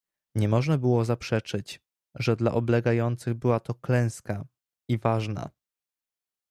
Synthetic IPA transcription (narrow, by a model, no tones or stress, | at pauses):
ɲɛmɔʐnabɘwɔzapʂɛt͡ʂɘt͡ɕ | ʐɛd̪la̰ʔɔblɛɡajɔnt̪sɘɣbɘwat̪ɔklɛ̃w̃ska | ivaʐna̰